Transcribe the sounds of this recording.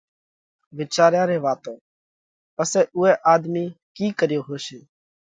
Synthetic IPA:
ʋɪt͡ʃaːɾjãːɾeːʋaːt̪õː | pəseːʔʊːɛːʔaːd̪miː | kiːkəɾjoːɦoːʃeː

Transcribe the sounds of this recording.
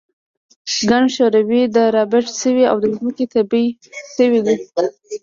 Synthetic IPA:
ɡaɳɖʃoɾawid̪əɾɑbɪʈsəwia̰wd̪əzməket̪abiʃəwid̪i

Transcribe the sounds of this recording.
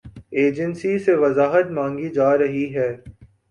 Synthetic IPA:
eːd͡ʒənsiseʋɐzaːɦət̪mãːŋɡid͡ʒaːɾɐɦiɦɛː

